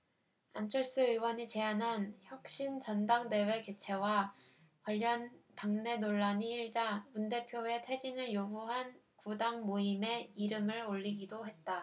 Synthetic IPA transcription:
ant͡ɕʰʌɭs͈ɯɯwʌɲit͡ɕe̞anançjʌk̚ɕ͈int͡ɕʌndaŋde̞we̞ket͡ɕʰe̞wa | kwaʎːʌntaŋne̞noɭːaɲiːɭd͡ʑamunde̞pʰjoe̞tʰwe̞d͡ʑinɯɭjoɡuɦan | kudaŋmoime̞iɾɯmɯɾoʎːiɡidoɦe̞t̚t͈a

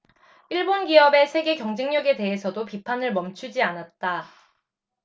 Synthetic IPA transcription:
iɭbonɡiʌbe̞sʰe̞ɡe̞kjʌŋd͡ʑeŋɲʌɡe̞te̞ɦesʰʌdopipʰanɯɭmʌmt͡ɕʰud͡ʑianat̚t͈a

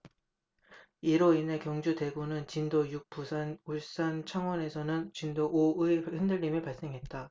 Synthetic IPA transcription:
iɾoine̞kjʌŋd͡ʑude̞ɡonɯnt͡ɕindojuk̚p͈usʰanuɭs͈ant͡ɕʰaŋwʌne̞sʰʌnɯnt͡ɕindoʔoɯehendɯʎːimipaɭs͈e̞ŋɦe̞t̚t͈a

